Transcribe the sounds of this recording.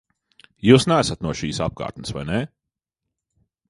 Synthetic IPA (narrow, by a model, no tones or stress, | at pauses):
juːsnæːsat̪nuɔʃiːsap̚ka̰ːɾt̪nɨsva̰jne